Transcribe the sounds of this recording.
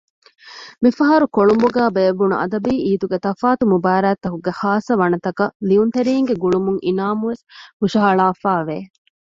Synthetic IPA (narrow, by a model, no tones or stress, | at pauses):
mifɐɦɐɾukoɭumbuɡæːbeɐʋːunṵʔɐ̰d̪ɐbiːʔiːt̪uɡet̪ɐfaːt̪umubaːɾæːt̪ːɐkuɡehaːsɐʋɐnɐt̪ɐkɐliunt̪eɾiːŋɡeɡuɭumuŋʔinaːmuʋeshuʃaɐɭaːfaːʋeː